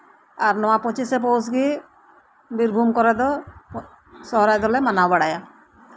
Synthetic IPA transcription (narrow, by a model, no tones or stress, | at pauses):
aɾnɔwapɔt͡ʃisep̬owsɡi | biɾbʱumkɔɾɛd̪ɔ | sɔɦɔɾajd̪ɔlɛmanawbaɽaja